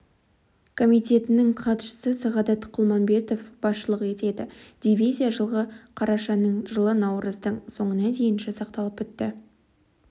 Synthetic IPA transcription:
kʰo̞mijt̪ʲe̞t̪ɪnɪŋqʰɑt̪ʃə̥səsɑʁɑd̪ɑt̪qʰʊlˠmɑnbe̞t̪o̞fb̥ɑsʃəlˠəqe̞t̪e̞d̪ɪd̪̥ʲivʲijzʲijaʒəlˠʁəqʰɑɾɑʃɑnəɴʒəlˠənɑwɾəzd̪əɴso̞ɴənɑd̪e̞jɪnʒesɑqt̪ɑlˠəpʏt̪ːɪ

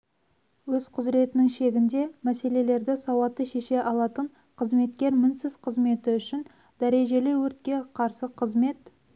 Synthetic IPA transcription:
wɵzqʰʊzɾe̞t̪ɪnɪŋʃe̞ɡʲɪnd̪e̞mæse̞le̞le̞ɾd̪ɪsɑwɑt̪əʃe̞ʃe̞ʔɑlˠɑt̪əɴ | qʰəzme̞t̪kʲe̞ɾmɪnsɪz̥qʰəzme̞t̪ɪʏʃɪn | d̪æɾe̞ʒe̞lɪwɵɾt̪kʲe̞qʰɑɾsəqʰəzme̞t̪

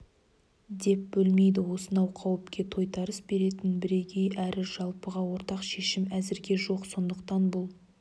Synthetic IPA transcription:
d̪e̞p̚bɵlme̞jd̪ɪwo̞sənɑwqʰɑwəpkʲe̞t̪ʰo̞jt̪ʰɑɾəsbe̞ɾe̞t̪ɪnbɪɾe̞ɡʲe̞jʔæɾɪʒɑlˠpəʁɑwo̞ɾt̪ɑqʃe̞ʃɪmæzɪɾɡʲe̞ʒo̞qso̞nd̪əqt̪ɑnbʊlˠ

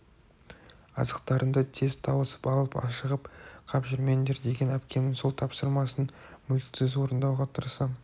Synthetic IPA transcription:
ɑ̰zəqt̪ɑɾənd̪ɑt̪ʰe̞zt̪ʰɑwəsə̥pɑlˠəpɑ̰ʃəʁəpqʰɑpʒʏɾme̞nd̪e̞ɾd̪e̞ɡʲe̞næpkʲe̞nɪŋso̞lˠt̪ʰɑpsəɾmɑsənmʏlksɪzwo̞ɾənd̪ɑwʁɑt̪ʰəɾsɑ

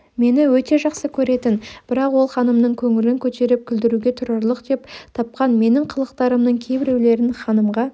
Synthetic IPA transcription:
me̞nɪwɵt̪e̞ʒɑqsəkʲʰɵɾe̞t̪ɪnb̥ɪɾɑqwo̞lˠχɑnəmnəɴkʲʰɵŋɪlɪŋkʲʰɵt̪e̞ɾɪp̚kʲʰʏld̪ɪɾuɡʲe̞t̪ʰʊɾɑɾlˠəqd̪e̞pt̪ʰɑp̚qɑnme̞nɪɴqʰəlˠəqt̪ɑɾəmnəɴkʲʰe̞bɪɾe̞wle̞ɾɪnχɑnəmʁɑ

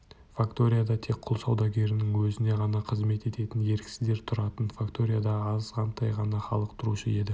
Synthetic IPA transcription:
fakt̪o̞ɾʲijad̪ɑtt̪ʰe̞k̚qʰʊlˠsɑwd̪ɑɡʲe̞ɾɪnɪŋwɵzɪne̞ʁɑnɑqʰəzme̞t̪e̞t̪e̞t̪ɪnje̞ɾkʲɪ̥sɪzd̪e̞ɾt̪ʰʊɾɑt̪ənfakt̪o̞ɾʲijad̪ɑːzʁɑnt̪ʰɑjʁɑnɑχɑ̰lˠəqt̪ʰʊɾuʃəe̞d̪ɪ

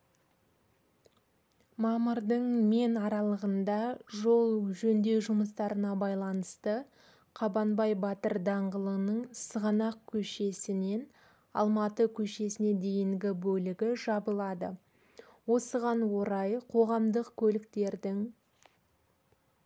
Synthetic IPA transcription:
mɑməɾd̪əɴme̞nɑɾɑlˠəʁənd̪ɑʒo̞lˠʒɵnd̪e̞ʒʊməst̪ɑɾənɑbɑjlˠɑnəst̪ə | qʰɑbɑnbɑjbɑt̪əɾd̪ɑɴʁəlˠənəɴsəʁɑnɑq̚kʲʰɵʃe̞sɪne̞n | ɑ̰lˠmɑt̪əkʲʰɵʃe̞sɪne̞d̪e̞jɪŋɡʲɪbɵlɪɡʲɪʒɑbəlˠɑd̪ə̰ | wo̞səʁɑnwo̞ɾɑjqʰo̞ʁɑmd̪əqkʲʰɵlɪkt̪e̞ɾd̪ɪŋ

